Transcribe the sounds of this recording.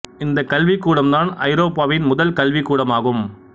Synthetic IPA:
ɪnd̪ɐkɐlʋikːuːɽɐmd̪aːnɐɪɾoːpːaːʋɪnmʊðɐlkɐlʋikːuːɽɐmaːɣɯm

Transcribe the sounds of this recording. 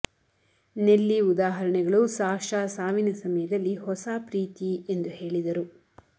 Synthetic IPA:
nelːiud̪aːɦɐɾɐɳɛɡɐɭusaːʂaːsaːʋinɐsɐmɐjɐd̪ɐlːihɔsaːpɾiːt̪ie̞nd̪uhe̞ːɭid̪ɐɾu

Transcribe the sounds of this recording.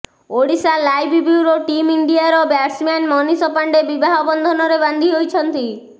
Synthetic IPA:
oɽisalajbibuɾoʈimiɳɖiaɾɔbjaɾsmanmɔnisɔpaɳɖebibaɦɔbɔnd̪ʱɔnɔɾeband̪ʱiɦojt͡ʃʰɔnt̪i

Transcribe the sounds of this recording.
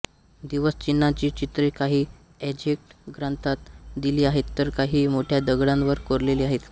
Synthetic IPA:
d̪iʋəst͡ɕinːat͡ɕiːt͡ɕit̪ɾekaɦiː | ed͡ʑek̚ʈɡɾant̪at̪̚d̪iliːaɦet̪ːəɾkaɦiːmoʈʰjad̪əɡɽãnʋəɾkoɾleliːaɦet̪

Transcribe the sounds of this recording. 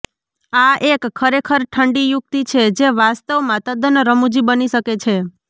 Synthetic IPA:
aʔekkʰːəɾekʰəɾʈʰəɳɖijʊk̚t̪it͡ʃʰed͡ʒeʋast̪əʋmat̪ad̪ənɾəmud͡ʒibəniʃəket͡ʃʰe

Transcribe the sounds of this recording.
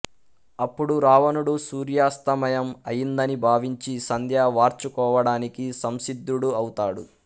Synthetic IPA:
ɐpːuɽuɾaːʋɐnuɽusuːɾjaːst̪ɐmɐjɐmɐjind̪ɐnibʱaːʋiɲt͡ʃisɐnd̪ʱjaːʋaːɾt͡ʃukɔːʋɐɽaːnikisɐmsid̪ːuɽuɐwut̪aːɽu

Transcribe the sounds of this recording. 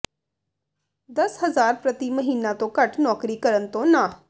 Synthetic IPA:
d̪əsɦəzaːɾpɾət̪iːməɦiːnãːt̪õːkəʈnɔːkɾiːkəɾənt̪õːnãː

